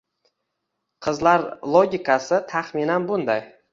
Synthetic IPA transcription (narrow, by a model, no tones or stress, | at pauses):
qʰɨzlaɾlˠoɡʲikʰasɪt̪ʰaχminanbʊnd̪aj